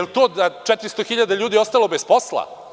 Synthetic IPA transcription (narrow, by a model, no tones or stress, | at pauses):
elt̪oːd̪at͡ʂɛt̪ɾist̪oxiʎad̪aʎuːd̪iost̪alˠo̞besposlˠa̰